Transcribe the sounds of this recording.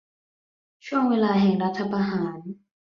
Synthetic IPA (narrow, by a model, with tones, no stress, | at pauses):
t͡ɕʰu˥˩əŋweː˧laː˧ɦɛː˨˩ŋɾa˦˥t̪ʰːa˧pʰa˧ɦaː˩˦n